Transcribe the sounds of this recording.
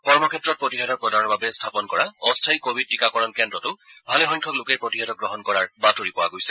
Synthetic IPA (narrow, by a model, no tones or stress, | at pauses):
kɔɹmɔkʰɛtːɹɔt̚pɹotiɦadɔk̚pɹɔdaɹɔɹbabɛstʰapɔnkɔɹaɔstʰajkobʱid̚tikakɔɹɔnkɛndɹɔtʊbʱalɛxɔɲ̃kʰɔklʊkejpɹotiɦadɔk̚ɡɹɔɦɔnkɔɹaɹbatoɹipɔwa̰ɡojsɛ̥